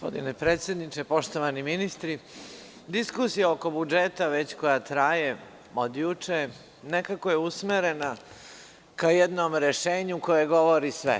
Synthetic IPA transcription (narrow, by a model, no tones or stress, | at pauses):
po̰d̪ḭnepɾeːt̪sjed̪nit͡ʂepo̞ʃt̪oʋaniminist̪ɾi | d̪iskusijaoko̞bud͡ʒet̪aʋet͡ɕko̞jat̪ɾaje | od̪jut͡ʂe | nekakojeusmeɾena | kajɛd̪nomɾeʃeːɲukojeɡoʋoɾisʋɛ̰